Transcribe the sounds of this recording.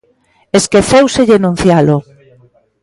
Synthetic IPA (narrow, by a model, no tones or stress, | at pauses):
eskeθewseʎenũn̟θjalʊ